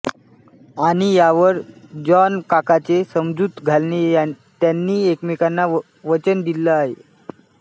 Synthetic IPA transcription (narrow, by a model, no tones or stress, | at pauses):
aɽ̃ijaʋəɾd͡ʑɔnkakat͡sesəmd͡zuːt̪ɡʱalneja | t̪janːiːekmekanːa | ʋət͡ɕənd̪iləaɦḛ